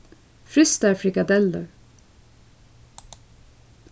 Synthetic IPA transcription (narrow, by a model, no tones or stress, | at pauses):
fɾʏst̪æɾfɾɪkad̪ɛlːə